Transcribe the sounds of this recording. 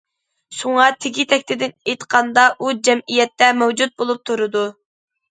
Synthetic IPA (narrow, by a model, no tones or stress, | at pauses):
ʃuŋɑt̪ʰɪɡʲit̪ʰɛk̚ʲt̪ɪd̪ɪnejt̪qʰɑnd̪ɑʔud͡ʒɛmijɛt̪ːɛmæwd͡ʒut̪̚bolˠup̚t̪ʰuɾɨd̪u